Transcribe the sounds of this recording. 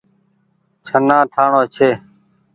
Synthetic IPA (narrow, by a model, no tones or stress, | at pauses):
t͡ʃʰənãːʈʰaːɳoːt͡ʃʰeː